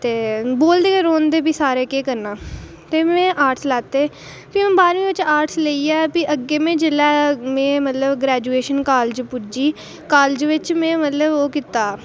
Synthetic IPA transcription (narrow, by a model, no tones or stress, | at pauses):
t̪eːboːld̪eːkeɾoːnd̪eːpiːsaːɾeːkeːkəɾnaː | t̪eːmɛ̃ːʔaːɾʈslaːt̪eː | pimɛ̃ːbaːɾʋĩːʋɪt͡ʃaːɾʈsleiːɛːpiʔəɡːeːmẽːd͡ʒɪlɛːmɛ̃ːmət̪ləbɡɾɛːd͡ʒuːeːʃənkaːld͡ʒpʊd͡ʒiː | kaːld͡ʒʋɪt͡ʃmɛ̃ːmət̪ləboːkit̪ːaː